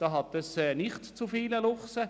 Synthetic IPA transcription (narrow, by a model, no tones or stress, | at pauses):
d̥ɑɦɑt̪əsɛːnɪχtt͡sufiːləlʊχsə